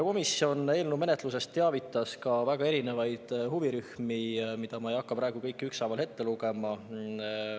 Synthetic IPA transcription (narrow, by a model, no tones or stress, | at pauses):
ko̞misjo̞ne̞ːlnume̞net̪ˑluse̞st̪ːe̞ɑvit̪ːˑɑskɑvæɡ̥ɑe̞ɾine̞vɑjd̪̥huviɾyhmimid̪̥ɑmɑe̞jɑkːɑpɾʔɑˑe̞ɡ̥ukɤjkːˑyksɑjvɑlhe̞t̪ːe̞luɡe̞mɑ